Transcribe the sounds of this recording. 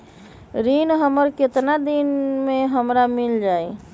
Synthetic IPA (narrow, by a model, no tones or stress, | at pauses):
ɾinɦəməɾket̪nad̪inmeɦəmɾamild͡ʒaj